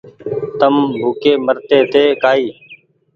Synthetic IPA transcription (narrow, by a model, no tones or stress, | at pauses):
t̪əmbʱuːkeːməɾt̪eːt̪eːkaːiː